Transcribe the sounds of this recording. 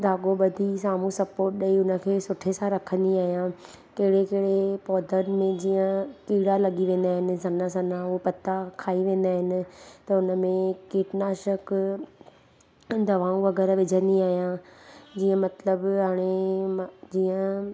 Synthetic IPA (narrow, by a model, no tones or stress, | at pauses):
d̪ʱaːɠoɓɐd̪ʱisaːmũsɐpoːɾʈɗɐiʊnə̆kʰeːsʊʈʰesãɾɐkʰə̃nd̪iaːɦijã | kɐɦɪɽekɐɦɪɽepɔːd̪ʱənmẽd͡ʑiːə̃kiːɽalɐɠiʋẽːn̆d̪aːɦɪnɪ̆sɐnasɐ̃nãʊpɐt̪akʰaːiʋẽːn̆d̪aːɦɪnɪ̆t̪ɐʊnə̆mẽkiːʈnaːʃək | d̪ɐʋaːũʋɐɣɛːɾʋɪd͡ʑʱə̃nd̪iaːɦijãd͡ʑiːə̃mɐt̪ləbɦaːɽ̃emd͡ʑiːə̃